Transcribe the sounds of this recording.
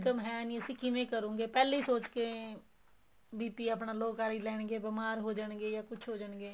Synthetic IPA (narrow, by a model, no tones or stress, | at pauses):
kəmɦɛːnĩːəsĩːkɪnẽːkəɾũːŋɡeːpɛːleiːsoːt͡ʃkeː | biːt̪iːaːpnaːloːkaːɾiːlɛːɳɡeːbɪmaːɾɦoːd͡ʒəɳɡeːjaːkʊt͡ʃʰɦoːd͡ʒəɳɡeː